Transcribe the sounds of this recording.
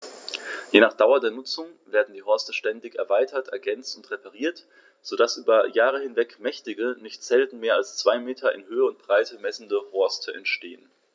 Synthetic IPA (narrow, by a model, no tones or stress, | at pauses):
jeːnaːχd̥aʊɐdeːɐnʊt͡sʊŋveːɐdn̩diːɦɔɐstəʃtɛndɪçɛɐvaɪtʰɐtʔɛɐɡɛnt͡stʊntʁepaʁiːɐt | z̥odasʔyːbɐjaːʁ̞əhɪnvɛkmɛçtɪɡənɪçtz̥ɛltn̩meːɐalst͡sv̥aɪmeːtʰɐʔɪ̰nhøːəʊnt̚b̥ʁ̥aɪtʰəmɛsn̩dəhɔɐstʰəɛ̰ntʃteːən